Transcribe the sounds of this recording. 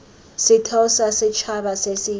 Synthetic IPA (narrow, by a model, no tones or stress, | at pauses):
sitʰɔsasɛt͡ʃʰaɓasesi